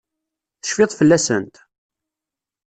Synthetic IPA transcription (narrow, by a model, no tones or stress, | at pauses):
θə̥ʃfɪðˤfəlːæsənt̪